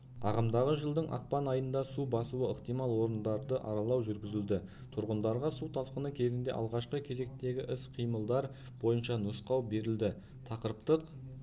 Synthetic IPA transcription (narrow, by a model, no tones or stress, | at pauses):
ɑ̰ʁɑmd̪ɑʁəʒəlˠd̪əɴʔɑ̰q̚pɑnɑjənd̪ɑsubɑsuəəqt̪ijmɑlˠwo̞ɾənd̪ɑɾd̪əʔɑ̰ɾɑlˠɑwʒʏɾɡʲɪzɪld̪ɪ | t̪ʰʊɾʁənd̪ɑɾʁɑsut̪ʰɑsqənəkʲʰe̞zɪnd̪e̞ʔɑ̰lˠʁɑʃqəkʲʰe̞ze̞k̚t̪e̞ɡʲɪʔɪsqʰijməlˠd̪ɑɾ | b̥o̞jənʃɑnʊsqɑwbe̞ɾɪld̪ɪ | t̪ʰɑqəɾəpt̪əq